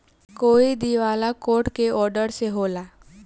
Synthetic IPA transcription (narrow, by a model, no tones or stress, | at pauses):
koːid̪iʋaːlakoːʈkeʔɔːɾɖəɾseɦoːlaː